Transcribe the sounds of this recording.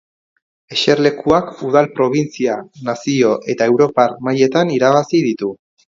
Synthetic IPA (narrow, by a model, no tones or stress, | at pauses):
e̞ʃe̞ɾle̞kuakuðalpɾo̞β̞int͡sianasio̞ʔe̞t̪ae̞wɾo̞paɾmaje̞t̪aniɾaβasið̞it̪u